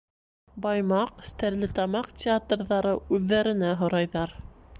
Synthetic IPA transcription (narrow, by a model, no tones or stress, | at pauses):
bɑjmɑqst̪æɾlɘt̪ɑmɑqtʲɪat̪rðɑɾɤʉðːæɾɘ̆næɦŏɾɑjðɑɾ